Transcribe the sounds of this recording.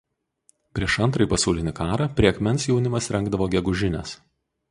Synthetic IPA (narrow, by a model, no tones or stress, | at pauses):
pʲɾʲiɛʃɐnt̪ɾɐɪpɐsɑˑʊlʲɪnʲɪkɑːɾɑpʲɾʲiɛɐkmʲɛnˑsjɛʊnʲɪmɐsɾʲɛŋɡd̪ɐʋoːɡʲɛɡʊʒʲɪnʲɛs